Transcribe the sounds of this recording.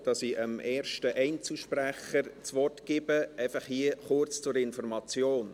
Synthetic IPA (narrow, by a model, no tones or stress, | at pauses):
d̥ɑsiʔəmeːɾʃtəʔɛɪnt͡slʃpɾæχəɾt͡sʋɔrtɡ̥ɪbəɛɪfɑχhiəχʊrt͡st͡sʊɾɪnfɔrmɑt͡sjoːn